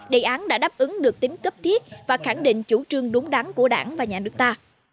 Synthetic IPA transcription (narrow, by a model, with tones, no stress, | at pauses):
ɗe˨˩ʔaː˨˦nɗa̰ː˧˥ɗaː˦˥p̚ʔɨ˨˦ŋɗɨ˨˩ək̚t̪ï˨˦ŋ̟kə˦˥p̚t̪ʰi˦˥ət̚vaː˨˩xa˧˩ŋɗḭ̈˧˨ŋ̟t͡ɕu˧˩t͡ɕɨ˧˩əŋɗʊ˨˦ŋ͡mɗa˨˦ŋku˧˩əɗa̰ː˧˩nvaː˨˩ɲaː˨˩nɨ˦˥k̚t̪aː˧